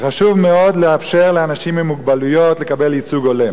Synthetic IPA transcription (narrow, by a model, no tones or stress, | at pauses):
χaʃuvmeo̞d̪leafʃeʁleanaʃimemuɡbalujo̞tle̞kabe̞lit͡suɡolem